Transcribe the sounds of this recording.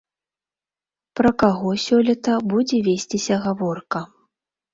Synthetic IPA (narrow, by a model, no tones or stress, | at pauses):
pɾɐkaɣɔsʲɔlʲɛt̪ɐbud͡zʲɛvʲesʲt͡sʲisʲɐɣavɔrkɐ